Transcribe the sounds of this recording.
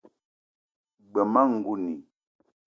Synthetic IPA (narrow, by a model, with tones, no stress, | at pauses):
ɡ͡bə˨ma˦ŋ̩˨ɡu˦ni˨